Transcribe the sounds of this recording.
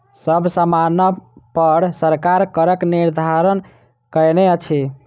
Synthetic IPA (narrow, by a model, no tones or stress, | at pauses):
səbʱsəmanəpəɾsəɾkaɾkəɾəkniɾd̪ʱaɾən | kəneət͡ʃʰi